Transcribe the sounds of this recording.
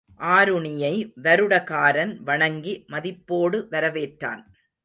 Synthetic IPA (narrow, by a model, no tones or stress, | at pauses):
ʔaːɾɯɳɪjɐɪʋɐɾɯɽɐkaːɾɐnʋɐɳɐŋɡimɐðɪpːoːɽɯʋɐɾɐʋeːʈra̰ːn